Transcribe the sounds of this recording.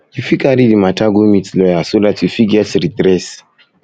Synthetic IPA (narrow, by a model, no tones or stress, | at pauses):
jufikaɾidimataɡomitlɔjasodatjufiɡɛtɾitɾɛs